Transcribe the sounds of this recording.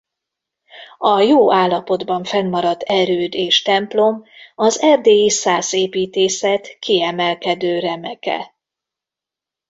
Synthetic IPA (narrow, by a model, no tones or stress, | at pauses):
ɒjoːaːlːɒpo̞d̪bɒɱfɛnːɒɾɒd̪ɛɾøːd̪eːʃt̪ɛmplo̞mɒzɛrd̪eːisaːzeːpiːt̪eːsɛt̪kiɛmɛlkɛd̪øːɾɛmɛkɛ̰